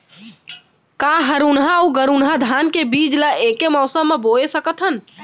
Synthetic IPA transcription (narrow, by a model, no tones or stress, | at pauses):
kaɦəɾunɦauɡəɾunɦad̪ʱankebiːd͡ʒlaʔekemɔːsəmːeboesəkət̪ʰən